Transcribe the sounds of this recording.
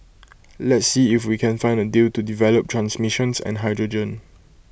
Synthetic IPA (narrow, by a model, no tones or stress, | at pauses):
lɛtsːiɪfwikʰɛ̃nfãɪ̃ndədiltudivɛləp̚tʰɹãnsmiʃə̃nsɛ̰̃nɦaɪdɹɔd͡ʒə̃n